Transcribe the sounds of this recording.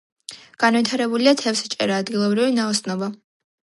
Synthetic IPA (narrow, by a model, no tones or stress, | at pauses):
ɡ̥anvit̪ʰaɾɛbuliat̪ʰɛfsɛt͡ʃʼɛ̰ɾaːd̪ɡilˠɔbɾivinaɔsnɔba